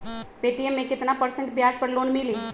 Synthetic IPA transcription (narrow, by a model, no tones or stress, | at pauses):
peʈiemːẽkɪt̪napəɾsə̃ɳʈ̚bjad͡ʒpəɾlonmili